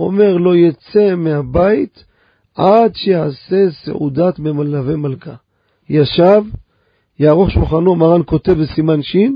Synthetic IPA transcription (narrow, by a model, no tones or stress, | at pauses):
o̞̰me̞ʁlo̞jat͡se̞mehabait̪ | ʔadʃejase̞sḛʔṵd̪at̪memalave̞malka | jaʃav | jaːʁo̞χʃulχano̞maʁanko̞t̪e̞vbesimanʃin